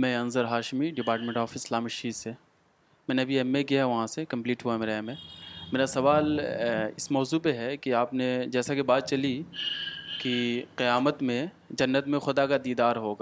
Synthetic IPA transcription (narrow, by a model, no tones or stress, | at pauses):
mɛ̃ːɐ̃nzəɾɦaːʃmiɖɪpaːɾʈmẽɳʈɔːfɪslaːmɐʃiːse | mɛ̃ːneɐbʱiɛmːekiɦɛʋɐɦãsekɐ̃mpliːʈɦuaɛmeːɾaɛmẽmeːɾasɐʋaːlɪsmɔːzuːpeɦɛkiaːpned͡ʒɛːsakebaːt̪̚t͡ʃɐli | kiqɪjaːmət̪mẽ | d͡ʒɐnːət̪mẽxʊd̪akad̪iːd̪aːɾɦoːɡaː